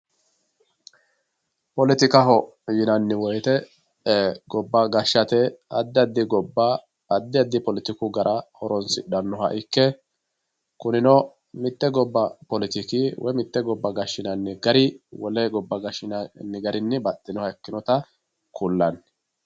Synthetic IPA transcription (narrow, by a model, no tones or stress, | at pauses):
pɔlɪt̪ɪkɐɦɔjɪnɐnːɪwɔjt̪ɛ | ɡɔbːɐɡɐʃːɐt̪ɛɐd̪ːɪɐd̪ːɪɡɔbːɐː | d̪ːɪɐd̪ːɪpɔlɪt̪ɪkʊɡɐɾʔɐhɔɾɔnsɪᶑɐnːɔɦɐ̰ʔɪkːɛ | kʊnɪnɔ | mɪt̪ːɛɡɔbːɐpɔlɪt̪ɪkɪwɔjmɪt̪ːɛɡɔbːɐɡɐʃːɪnɐnːɪɡɐɾɪwɔlɛɡɔbːɐɡɐʃɪnɐnːɪɡɐɾɪnːɪbɐt̪ʼːɪnɔhɐɛkːɪnɔt̪ɐ | kʰulːɐn